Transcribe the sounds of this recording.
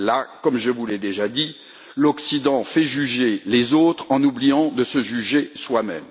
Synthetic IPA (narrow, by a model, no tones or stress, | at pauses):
lakɔmʒəvulɛd̪eʒad̪i | lɔksid̪ɑ̃fɛʒyʒelezot̪χɑ̃nublijɑ̃d̪əsəʒyʒeswamɛ̰m